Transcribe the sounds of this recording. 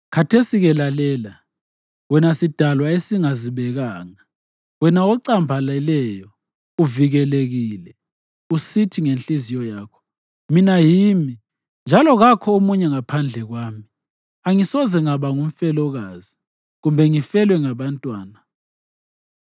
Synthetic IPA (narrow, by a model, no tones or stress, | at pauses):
kʰatʰesiɣɛlalɛːla | wɛnasid̥ʱalwaesiŋaziβɛɣaːŋa | wɛnaɔǀambʱalɛlɛjɔ | uviɣɛleɣiːlɛ | usitʰiŋenɬʼizijɔjaːkʰɔ̥ | minajimi | nd͡ʒʱalɔɣakʰɔomuɲɛŋapʰand͡ɮʱɛɣwaːmi | aŋisɔzɛŋaβaŋum̩fɛlɔɣazi | ɣumbʱɛŋifɛlwɛŋaβantʼwaːna